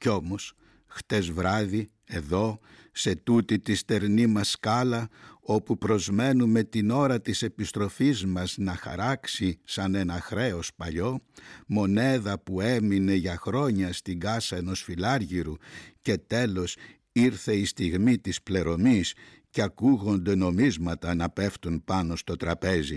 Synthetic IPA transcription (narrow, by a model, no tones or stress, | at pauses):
ceo̞mo̞s | xt̪e̞zvɾɐði | e̞ðo̞ | se̞t̪ut̪it̪ist̪e̞ɾnimɐskɐlɐo̞pupɾo̞zme̞nume̞t̪ino̞ɾɐt̪ise̞pist̪ɾo̞fizmɐznɐxɐ̰ɾɐksisɐne̞nɐxɾe̞o̞spɐʎo̞mo̞ne̞ðɐpue̞mine̞ʝɐxɾo̞ɲɐst̪iɡɐsɐe̞no̞sfilɐɾʝiɾuce̞t̪e̞lo̞s | iɾθe̞ist̪iɣmit̪isple̞ɾo̞mis | ceɐkuɣo̞nd̪e̞no̞mizmɐt̪ɐnɐpe̞ft̪unpɐno̞st̪o̞t̪ɾɐpe̞zi